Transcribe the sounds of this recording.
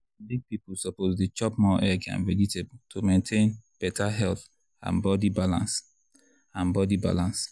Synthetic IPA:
biɡ̚pipul̩sɔpozdet͡ʃɔpmɔʔɛɡã̰nvɛd͡ʒitʰebutʰomẽntʰẽnb̥ɛtʰaɦɛlθ | ã̰nbɔdibalã̰ns | ãnbɔdiba̰lãns

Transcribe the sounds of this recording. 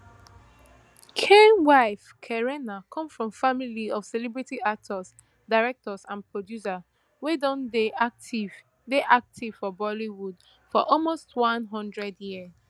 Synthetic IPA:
kʰẽwaɪfkʰɛɹɛnakʰɔ̃mfɹɔ̃mfamiliɔfsɛlibɹitiʔak̚tʰɔs | daɪɹɛk̚tɔsãnpʰɹɔdjusa | wedɔ̃n | i | deʔak̚tʰiv̥fɔbɔliwud | fɔʔɔlmostwɔ̃nɦɔ̃ndɹɛdjis

